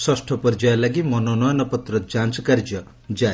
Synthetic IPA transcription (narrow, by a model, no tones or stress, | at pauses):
swɔsʈʰɔpɔɾd͡ʒajɔlaɡimɔnɔnɔjɔnɔpɔt̪ɾɔd͡ʒant͡ʃɔkaɾd͡ʒɔ | d͡ʒa